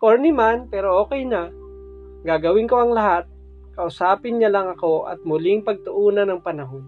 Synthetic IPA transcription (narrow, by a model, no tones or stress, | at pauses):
koɹnimanpɛːɾo̞ʔoːkɛjnɐ | ɡaːɡɐwɪnko̞ʔɐŋlɐɦat̪̚ | kɐʔʊsaːpɪnɲɐlɐŋɐko̞ʔɐ̰t̪̚mʊlɪŋpɐɡ̚t̪ʊʔuːnɐnɐŋpɐnɐɦo̞n